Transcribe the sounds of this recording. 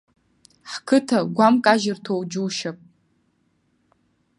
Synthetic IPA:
ħkʰɨtʰaɡʷamkʼaʒɪrtʰowd͡ʒuːʃapʼ

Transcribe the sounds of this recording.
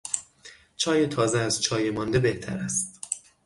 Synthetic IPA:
t͡ʃʰɒːjet̪ʰɒːzeæzt͡ʃʰɒːjemɒːnd̪ebe̞ht̪ʰæ̰ɾæst̪

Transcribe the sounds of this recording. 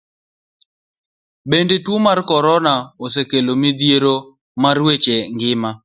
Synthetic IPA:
bendetwomarkɔɾɔnaosekelomid̪jeɾo | marwet͡ʃeŋɡɪma

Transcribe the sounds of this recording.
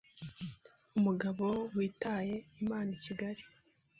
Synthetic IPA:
umuɡaβo̞wiːtaːje̞imaːniciɡaɾi

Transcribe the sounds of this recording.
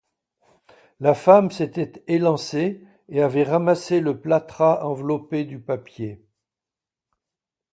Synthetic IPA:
lafamset̪ɛt̪elɑ̃se | eavɛʁamaseləplat̪χaʔɑ̃vlɔped̪ypapje

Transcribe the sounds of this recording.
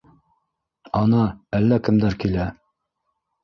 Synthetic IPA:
ɑnɑælːækɘ̆md̪æɾkilæ

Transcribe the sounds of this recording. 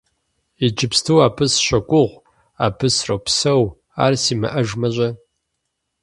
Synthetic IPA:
id͡ʒʼɪpstʰɨwaːpʰɨsɕɐkʷʼʊʁʷ | aːpʰɨsrɐwpsɐw | a̰ːrsiːmɐ̰ʔɐʒmɐʑʷʼɐ

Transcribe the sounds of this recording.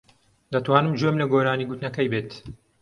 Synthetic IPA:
d̪ɐt̪waːnɨmd͡ʒomlɐɡoːɾaːniːɡut̪nɐkɐjbeːt̪

